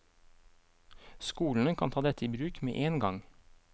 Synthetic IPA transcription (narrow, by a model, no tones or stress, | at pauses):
skuːln̩əkʰɑ̰nʰɑːd̪ɛt̪əiːbɾʉːkmḛːʔeːnɡɑŋ